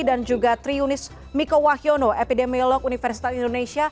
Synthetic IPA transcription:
dand͡ʒuɡat̪ɾiunɪs | mikowahionoʔepidemiolɔkunifɛrsi̥t̪at̪indonesia

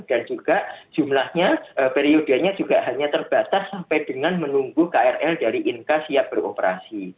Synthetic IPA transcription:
d̥and͡ʒuɡ̥aʔd͡ʒ̥umlahɲaəpeɾiodaɲad͡ʒuɡaʔɦaɲat̪ərb̥at̪asːampajdəŋanmənuŋɡukaɛrɛldaɾiʔinkasiap̚b̥əro̰pəɾa̰si

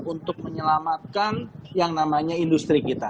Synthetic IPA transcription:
unt̪ʊk̚məɲəlamat̪̚kanjaŋnamaɲaindust̪ɾikit̪a

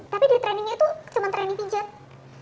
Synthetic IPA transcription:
t̪apidiɾt̪ɾɛnɪŋɲait̪ut͡ʃəmant̪ɾɛnɪŋpid͡ʒat̪

